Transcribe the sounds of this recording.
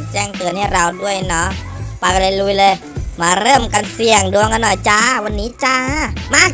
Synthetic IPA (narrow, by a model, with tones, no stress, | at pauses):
t͡ɕɛː˥˩ŋt̪ɯ˨˩ənha˥˩jɾa˧wdu˥˩əjnɔ˦˥ | pa˧jka˧nlaː˧jlu˧˥jlɤː˧j | maː˧ɾɤː˥˩mka˧nsi˧˩əŋdu˧əŋka˧nːɔ˨˩jt͡ɕa˧˩wa˧nːiː˦˥t͡ɕa˧maː˥˩k